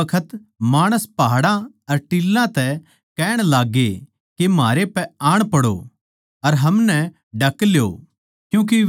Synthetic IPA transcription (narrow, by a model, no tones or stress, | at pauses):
ɐkʰət̪maːɽ̃əspaɦɽã | ɐɾʈilːãt̪ɛ | kɛːɽ̃laːɡe | kemaːɾepɛaːɽ̃pɐɽo̰ | ɐɾɦɐmnɛ | ɖɐkljo̰ː | kjũːk̬e